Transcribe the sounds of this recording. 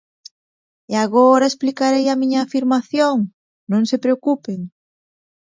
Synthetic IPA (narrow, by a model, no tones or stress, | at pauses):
eaɣoɾaesplikaɾejamĩɲaːfiɾmaθjoŋ | nõŋsepɾeokupeŋ